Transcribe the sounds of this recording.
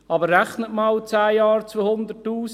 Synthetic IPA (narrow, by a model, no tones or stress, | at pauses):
ɑːbəɾræχnətmɑlt͡sæːjɑːɾt͡sʋoːhʊnd̪ətːuːs